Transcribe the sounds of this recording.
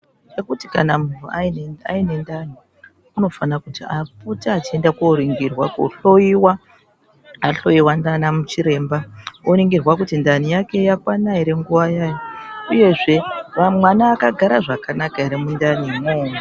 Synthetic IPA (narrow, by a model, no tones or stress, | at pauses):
t͡ʃe̞kuti̥kanamun̤uaia̰ine̞ndani | uno̞fanakutiafutaːt͡ʃie̞ndakoɾiŋɡirwako̰ɬo̞jiwa | aɬo̞jiwandanamut͡ʃiɾe̞mbaoɾiŋɡirwak̬utindanijake̞jakwanaiɾe̞ŋɡuʋajaːjouje̞ʐe̞ʋamwanaːkaɡʱaɾaʐakanakaiɾemundanimoː